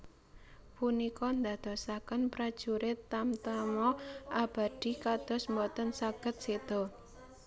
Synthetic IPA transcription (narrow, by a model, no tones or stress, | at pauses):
punikɔnd̪a̤d̪̥ɔ̤sakənpɾad̥ʒ̥uɾɪt̪amt̪amɔʔab̥a̤d̪̥i̤kad̪̥ɔ̤smɔt̪ɔnsaɡ̥ə̤t̪̚sed̪̥ɔ̤